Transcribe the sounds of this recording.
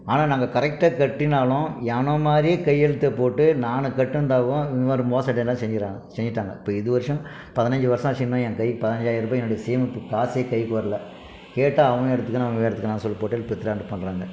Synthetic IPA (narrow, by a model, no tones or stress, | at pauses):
aːnaːnaːŋɡɐkɐɾɛk̚ʈːɐkɐʈːɪnaːlʊ̃anɐmaːdɾijekɐjɛɻɯt̪ːɐpoːʈːɯnaːnɯkɐʈːɯɐnd̪aːɣʊ̃ɪnʋɐɾɯmoːsɐʈːɐlːaːsɛɲd͡ʒɪɾaːsɛɲd͡ʒɪʈːaːŋɡɐ̰ɪpːoːɪðɯʋɐɾɪʂɐ̃ | pɐðɪnɐɲd͡ʒɯʋɐɾʂãːt͡ʃɪnːɐ̃ɛ̃ŋkɐjkɯpɐðɪnɐɲd͡ʒaːjɪɾɾɯp̬ːɐɛnːʊɽɐjɐsɛjɐmɯpːɯkaːsɪjɐkɐjkːɯʋɐɾɐlɐ | keːʈːaːɐʋɐ̃ŋɡɐɛɽɐt̪ːɯkːɯnãʋɐ̃ɡeɽɐt̪ɯkːnaːnsɔlːɐpoːʈːɐlːpɾɪt̪ːɪɾaːɳɯpɐɳːɾaːŋɡɐ